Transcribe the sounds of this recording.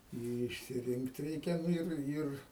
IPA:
ɪ ɪʃʲsʲɪˈrʲɪŋkt ˈrʲɛɪkʲɛ ˈnʊ ɪr ˈɪr

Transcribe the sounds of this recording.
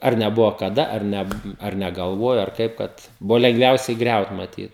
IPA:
ˈɐr nʲɛˈbʊʋoː kɐˈdɐ ɐr ˈnʲɛ ɐr nʲɛˈɡɐlˠʋuɔjoː ɐr ˈkɐɪp kɐt ˈbʊʋoː lʲɛŋɡˈʋʲɛʊsʲɛɪ ˈɡrʲɛʊt mɐˈtʲiːt

